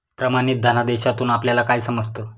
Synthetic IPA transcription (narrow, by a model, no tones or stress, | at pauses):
pɾəmañiːt̪̚d̪ʱanad̪eɕat̪uːnapljalakajsəməd͡zt̪ə